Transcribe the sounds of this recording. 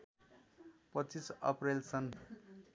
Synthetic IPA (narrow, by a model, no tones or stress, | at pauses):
pʌt͡sisʌ̰prelsʌn